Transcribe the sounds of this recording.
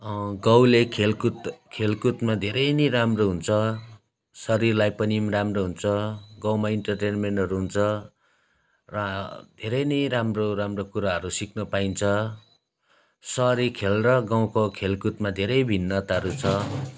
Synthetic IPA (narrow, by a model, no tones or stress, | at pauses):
ɡʌwlekʰelkut̪kʰelkut̪mad̪ʱeɾʌjnʌjɾamroɦunt͡sʰʌ | sʌɾirlajpʌnimramroɦunt͡sʰʌɡaw̃maiɳʈʌrʈenmeɳʈɦʌɾuɦunt͡sʰʌ | rʌd̪ʱeɾʌjnʌjɾamroɾamrokuɾaɦʌɾusiknʌpaint͡sʰʌ | sʌɾikʰelrʌɡãw̃kokʰelkut̪̚mad̪ʱeɾʌjbʱinːʌt̪aʌɾut͡sʰʌ